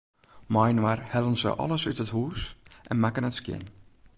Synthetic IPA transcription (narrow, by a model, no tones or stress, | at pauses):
mɔjnwarhɛlˠənsə̰ʔɔ̰lˠəsytəthuːsʔɛnmakənətskjɪ̰n